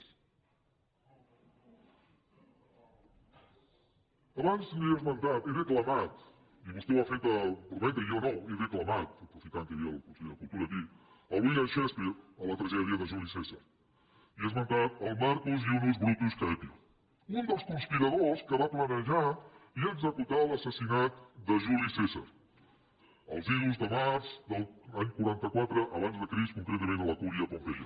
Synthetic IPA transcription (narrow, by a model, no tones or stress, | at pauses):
ɐβanzdiəzmɐ̃nt̪at̪eɾeklɐmat̪ | iβust̪ewafejt̪əpɾuβɛ̃nt̪ɐiownõweβeklɐmat̪̚p̪ɾofikant̪əiɐ̰lˠusikulˠt̪uɾɐki | əlˠiɣaʃɛspiələt̪ɾəʒɛðɾiɐðəʒulisezɐ | iəzmɐ̃nt̪at̪əlˠmaɾkuziund̪uzβɾut̪uskɛpiu | und̪əlˠskunspiɾəðoskəβaplənəʒaiəɡzəkut̪aləsəsinat̪d̪əʒulisezə̰ɾ | ə̰lˠziɾuzðəmaɾzðəlˠaɲkuɾant̪əkwat̪ɾəʔːβanzðəkɾiskuŋkɾɛt̪əmẽnt̪ələkuɾiəpombeʎɐ̰